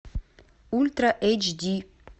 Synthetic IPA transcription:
ult̪ɾaʔɛt͡ʃd̪i

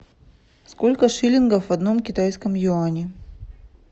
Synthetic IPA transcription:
sko̞lʲkəʂɨlʲɪnɡəfvɐd̪no̞mkʲɪt̪ajskəmjʊanʲɪ

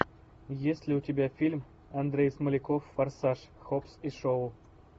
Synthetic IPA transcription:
jesʲlʲɪut̪ʲebʲæfʲilʲm | ɐnd̪ɾʲejsməlʲɪkofːɐrsɑʂxopsiʂowlˠ

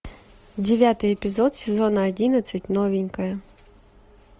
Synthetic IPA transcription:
dʲeʋʲat̪ɪjepʲizɔt̪sʲezɔnɐɐdʲinɐsʲɐtʲnɔʋʲinʲkɐjɐ

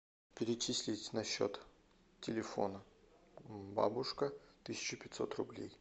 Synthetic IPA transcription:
pʲɪɾʲɪt͡ɕisʲlʲɪtʲnɐɕːo̰t̪ | tʲːɪlʲɪfo̰nə | ba̰bʊʂkət̪ɨsʲɪ̥t͡ɕʊpʲɪt̪ʲsot̪rʊblʲḛj

